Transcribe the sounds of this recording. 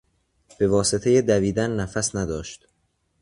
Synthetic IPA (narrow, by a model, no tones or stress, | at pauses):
b̥e̞vɒːse̞t̪ʰejed̪æviːd̪ænːæfæsnæd̪ɒːʃt̪